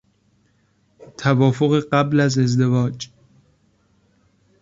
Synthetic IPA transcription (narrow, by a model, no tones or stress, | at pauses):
t̪ʰævɒːfoɣeɢæblæze̞zd̪e̞vɒːd͡ʒ